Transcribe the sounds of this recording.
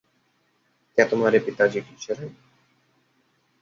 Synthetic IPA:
kɛt̪omaɾepit̪ad͡ʑiɡiʃeɾaj

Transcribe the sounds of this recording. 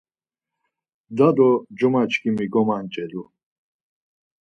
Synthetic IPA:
d̪ad̪ɔd͡ʒɔmat͡ʃkʰimiɡɔmant͡ʃʼɛd̪u

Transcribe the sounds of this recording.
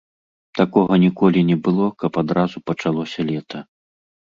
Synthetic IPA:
t̪akɔɣɐnʲikɔlʲinʲɛbɨlˠɔkɐpad̪ɾazupɐt͡ʂalˠɔsʲɐlʲɛt̪ʰɐ

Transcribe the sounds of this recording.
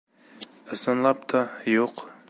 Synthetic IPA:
ɨsɨnlˠɑp̚t̪ʰɑjoq

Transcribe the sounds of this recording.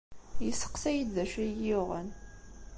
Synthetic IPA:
jəsə̥qsæjid̪ðæʃæjioʁə̰n

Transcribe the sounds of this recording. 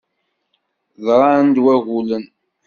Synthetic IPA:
ðɾˤɑnd̪wæɣulən

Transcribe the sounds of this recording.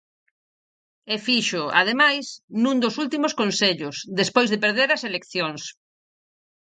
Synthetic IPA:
efiʃʊa̰ð̞emajsnũnd̪osult̪imoskonseʎʊsðespojzðepeɾðeɾɐselekθjoŋs

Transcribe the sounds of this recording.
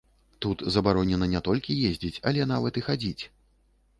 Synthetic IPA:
t̪ut̪zɐbaɾɔnʲɛnɐnʲɛt̪ɔlʲkʲijezʲd͡zʲit͡sʲɐlʲɛnavɐt̪ɨxad͡zʲit͡sʲ

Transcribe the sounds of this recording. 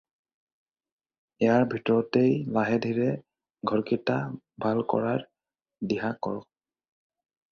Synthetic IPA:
ɛjaɹbʱitɔɹɔtejlaɦɛdʱiɹɛ | ɡʱɔɹkita | bʱalkɔ̰ɹaɹ | diɦakɔ̰ɹɔk̚

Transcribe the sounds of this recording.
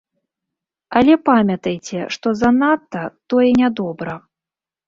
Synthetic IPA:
ɐlʲɛpamʲɐt̪ɐjt͡sʲɛ̰ʂt̪ɔzɐnat̪ːɐt̪ɔjɛnʲad̪ɔbɾɐ

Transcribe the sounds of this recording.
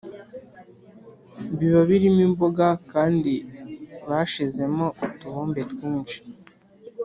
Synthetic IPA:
βiβaβiɾimimboɡakaːndiβaʃize̞mo̞tuβoːmbetwiːnʃi̥

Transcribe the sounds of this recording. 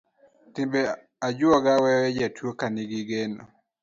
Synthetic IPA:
tɪmbe | ad͡ʒwɔɡawɛwɛd͡ʒatwokaniɡɪɡeno̰

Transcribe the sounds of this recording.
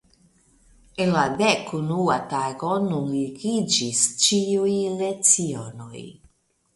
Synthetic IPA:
enladekunuataɡonunliɡid͡ʒist͡ʃiujlet͡siono̞̰j

